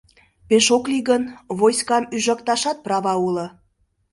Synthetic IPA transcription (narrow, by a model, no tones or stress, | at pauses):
peʃokliɣənβojskɑmyʒɑkt̪ɑʃɑt̪̚prɑvɑulə̆